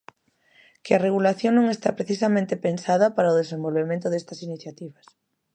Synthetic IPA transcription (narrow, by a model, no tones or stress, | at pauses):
kɪareɣulaθjõŋnõŋest̪apɾeθis̬amẽnt̪epensaðɐpaɾaoðesẽmbolβemẽnt̪ʊðest̪ɐsiniθjat̪iβɐs